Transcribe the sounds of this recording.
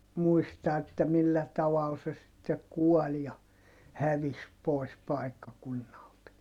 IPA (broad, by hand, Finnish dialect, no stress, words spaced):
muistɑ etːæ milːæ tɑʋɑl se sitːek̆ kuɔl jɑ hæʋis poˑis pɑˑikːɑkunːɑlt